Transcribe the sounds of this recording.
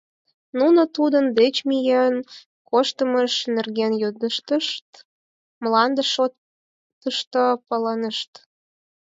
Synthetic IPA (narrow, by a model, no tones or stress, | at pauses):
nunət̪ud̪ənd̪et͡ɕmijen | koʃt̪əməʃnerɣenjød̪əʃt̪əʃt̪ | mlɑnd̪əʃo | t̪ːəʃt̪opələnəʃt̪